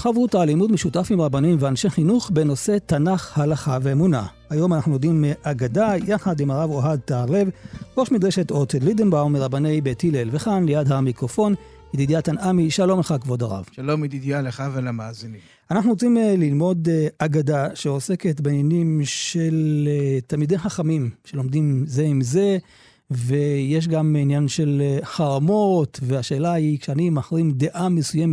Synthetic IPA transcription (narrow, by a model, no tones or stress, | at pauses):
χavutalimudmeʃutafimʁabanimveanʃeχinuχbeno̞se̞tanaχhalaχaveemuna̰hajo̞manaχnujod̪imʔaɡadajaχadimaʁavoɦad̪̚t̪aʁle̞vʁo̞ʃmid̪ʁeʃetot̪elid̪enbamiʁabane̞jbetilelveχanlejadhamikʁofo̞n | id̪idjatanamiʃalo̞mleχakvo̞daʁa̰vʃalomid̪id̪jaleχavelamaːzini | anaχnuʁot͡simlilmo̞d̪aɡadaʃeose̞ket̪beinjanimʃe̞lt̪almid̪e̞jχaχamimʃelo̞md̪imze̞imze̞ | vejeʃ̬ɡaminjanʃe̞lħaʁamot̪veaʃe̞ːlaikʃeanimaχʁimd̪e̞ʔamesujemet